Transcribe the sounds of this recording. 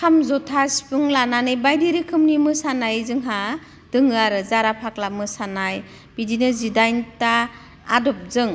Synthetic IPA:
kʰamzɔtʰaspɯŋlananɯjbajdiɾikʰɯmnimɯsanajzɯŋɦa | d̥ɯŋɯaɾɯzaɾapʰaklamɯsanaj | b̥idinɯzidajntaː | dɔp̚zɯŋ

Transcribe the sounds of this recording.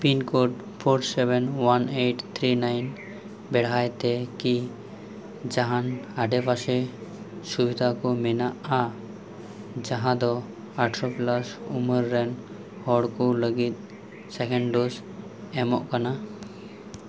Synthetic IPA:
pinkɔɖ | pʰoɾsɛbɛnwaneʈt̪ʰɾinajn | bɛɽ̤ajt̪ɛki | d͡ʒaɦãnaɖɛbasɛ | subid̪ʱakɔmɛnaʔa | d͡ʒaɦãd̪ɔ | aɾʈʰɾoplasuməɾːɛn | hɔɽkɔləɡit̪̚ | sɛkɛɳɖɖos | ɛmɔʔkana

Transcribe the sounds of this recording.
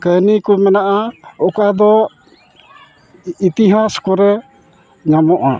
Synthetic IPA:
kənikumɛnaʔaɔkad̪ɔ | it̪iɦaskɔɾɛ | ɲamɔʔa̰

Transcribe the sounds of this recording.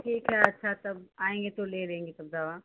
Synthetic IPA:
ʈʰiːkɦɛɐtːʃʰat̪ɐbaːẽːŋɡet̪oleːɾẽːŋɡet̪ɐb̚d̪aːʋaː

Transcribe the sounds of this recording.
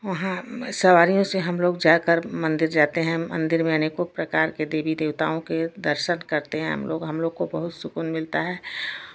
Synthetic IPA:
ʋɐɦãsɐʋaːɾijõseɦɐmloːɡd͡ʒaːkəɾmɐ̃nd̪ɪɾd͡ʒaːt̪eɦɛ̃mɐ̰̃nd̪ɪɾmẽɐnekopɾɐkaːɾked̪eːbid̪eːʋt̪a̰ːõked̪əɾʃənkɐɾt̪eɦɛ̃ɦmlo̰ːɡɦɐmloːɡ̚kobɐɦʊt̪sʊkunmɪlt̪aɦɛː

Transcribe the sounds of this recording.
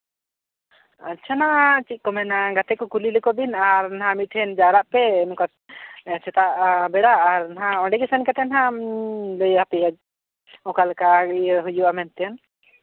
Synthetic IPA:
atːʃʰanat͡ʃit̪̚kɔmɛnaɡat̪ɛkɔkulilɛkɔbinaɾnaɦãmiʈʰɛnd͡ʒaɾaʔpɛnka | sɛt̪aʔbɛɽaʔːɾnaɦãɔɖɛɡɛsɛnkat̪ɛnɦã | ləjapɛɡad͡ʒ | ɔ̃kalkaɦujuamɛnt̪ɛjan

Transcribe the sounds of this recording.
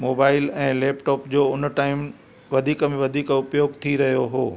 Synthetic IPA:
moːbaːɪlɛ̃ːleːpʈoːpd͡ʑoːʊnʈaːɪm | ʋɐd̪ʱiːkə̆mẽʋɐd̪ʱiːkʊpjoːɡt̪ʰiɾɐɦijoɦoː

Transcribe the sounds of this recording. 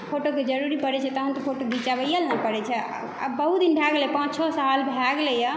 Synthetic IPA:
pʰoʈoked͡ʒəɾuɾipəɾɛt͡ʃʰɛt̪ɔɦənt̪ɔpʰoʈob̪ʱit͡ʃabəijəlnɛpəɾɛt͡ʃʰɛ̰ | a̰bəɦut̪̚d̪inbʱaɡlɛjpãt͡ʃt͡ʃʰɔsalbʱaɡlɛjə

